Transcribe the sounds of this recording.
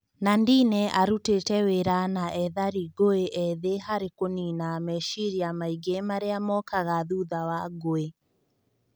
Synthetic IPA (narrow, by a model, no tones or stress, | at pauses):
nandinɛʔaɾutetɛweɾanaʔɛðaɾiɡoeʔɛðehaɾekoninaːmɛʃiɾiamaiɡemaɾeamɔkaɣaðuðawaɡoe